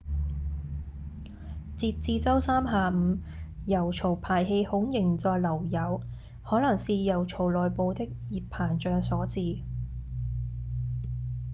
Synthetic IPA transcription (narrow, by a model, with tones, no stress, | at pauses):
t͡siː˧t̚t͡siː˧t͡sɐ˥wsaː˥mɦaː˨˧m̩ː˨˧ | jɐ˨˩wt͡sʰo˨˩wpʰaː˨˩jɦe˧jhʊ˨˥ŋjɪ˨˩ŋt͡sɔː˨˧jlɐ˨˩wjɐ˨˥w | hɔː˨˥lɐ˨˩ŋsiː˨˧jɐ˨˩wt͡sʰo˨˩wlɔː˨jpo˧wt̪ɪ˥k̚jiː˨˩ppʰaː˨˩nt͡ʃœː˧ŋsɔː˨˥t͡siː˨˧